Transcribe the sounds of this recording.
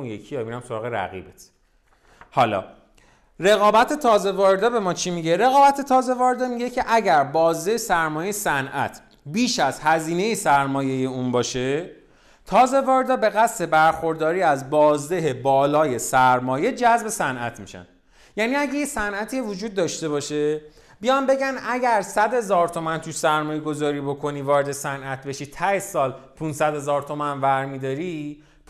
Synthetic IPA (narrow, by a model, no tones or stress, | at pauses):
jekʰieinæmsoɾɒːɣeɾæ̰ɣḭbet̪ | hɒːlɒ̰ː | re̞ɣɒːbæt̪ʰe̞t̪ʰɒːze̞vɒːɾed̪ɒbe̞mɒːt͡ʃʰimiɟe̞ɾe̞ɣɒːbæt̪ʰe̞t̪ʰɒːze̞vɒːɾed̪ɒːmiɟecʰeʔæɟæɾbɒːzd̪ejsæɾmɒːjejesænʔæ̰t̪ʰ | biːʃæzhæziːne̞jesæɾmɒːje̞je̞uːnbɒːʃe̞ | t̪ʰɒːze̞vɒːɾed̪ɒːbe̞ɣæst̪e̞bæɾxo̞ɾd̪ɒːɾiːæzbɒːzd̪eɦebɒːlɒːje̞sæɾmɒːje̞d͡ʒæzbe̞sænʔæt̪ʰmiʃæ̰nd̪ | jæːniæɟejesænʔæt̪ʰiːevod͡ʒuːd̪̚ːɒːʃt̪e̞βɒːʃe̞ | bijɒnbe̞ɟænd̪æɟæɾsæd̪he̞zɒːɾt̪ʰo̞mænt̪ʰuʃsæɾmɒːjeɡo̞zɒːɾiːbo̞kʰo̞niːvɒːɾed̪e̞sænʔæt̪̚be̞ʃiːt̪ʰæesɒːlpʰunsæd̪he̞zɒːɾt̪ʰo̞mænvæɾmid̪ɒːɾi